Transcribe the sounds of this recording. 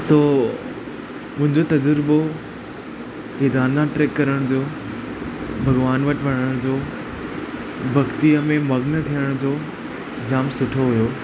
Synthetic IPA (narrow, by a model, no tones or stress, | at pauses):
t̪oː | mʊ̃ɦɪ̃ɲd͡ʑot̪ɐd͡ʑəɾbo | ʋeːd̪aːnlãʈɾeːkːɐɾəɽ̃d͡ʑoː | bʱɐɡʋaːnʋɐʈʋɐɽ̃əɽ̃d͡ʑoː | bʱɐɡt̪iəmẽmɐɡnət̪ʰijəɽ̃d͡ʑoː | d͡ʑaːmsʊʈʰoɦujoː